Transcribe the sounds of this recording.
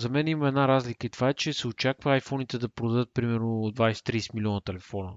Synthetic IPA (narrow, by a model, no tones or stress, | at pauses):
zɐmɛnimɐmɛd̪naɾazlikəit̪ovaɛt͡ʃɛsɛot͡ʃakvəajfɔnit̪ɛd̪ɐpɾod̪ɐd̪ɤt̪̚pɾimɛɾnod̪vajsɛ̥t̪ɾisɛ̥milʲiɔnət̪ɛlɛfɔnə